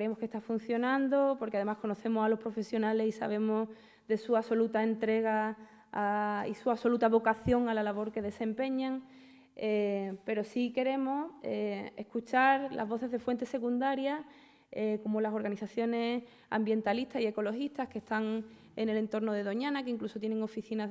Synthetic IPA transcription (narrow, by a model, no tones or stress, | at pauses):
kɾeemo̞hkest̪afun̟θjo̞nãnd̪o̞po̞ɾkeað̞e̞mahko̞no̞θe̞mosalo̞hpɾo̞fe̞sjo̞nale̞sisa̰β̞e̞mo | ðe̞suaso̞lut̪aent̪ɾe̞ɣ̞aː | ḭsuaso̞lut̪aβ̞o̞kaθjo̞ŋalalaβ̞o̞ɾke̞ðe̞se̞mpe̞ɲãŋ | epe̞ɾo̞sike̞ɾe̞mo̞eḛhkut͡ʃaɾla̰zβ̞o̞θe̞zðe̞fwe̞nt̪e̞se̞kund̪aɾja | eko̞molaso̞ɾɣaniθaθjo̞ne̞ | a̰mbje̞nt̪alit̪asie̞ko̞lo̞hiht̪ahke̞ht̪aŋ | ene̞le̞nt̪o̞ɾno̞ðe̞ð̞o̞ɲãnakeiŋkluso̞t̪je̞ne̞ŋo̞fiθina